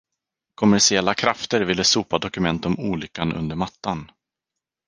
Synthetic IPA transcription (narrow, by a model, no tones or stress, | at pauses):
kʰɔmæʂɪɛlːakʰɾaft̪əɾvɪlːəsuːpad̪ɔkɵmɛnt̪ɔmuːlʏkːanʔɵ̰nd̪əɾmat̪ːan